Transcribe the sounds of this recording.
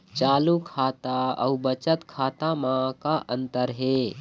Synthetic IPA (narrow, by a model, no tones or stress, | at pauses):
t͡ʃaːlukʰaːt̪aə̰ubət͡ʃət̪kʰaːt̪amãkaʔənt̪əɾɦe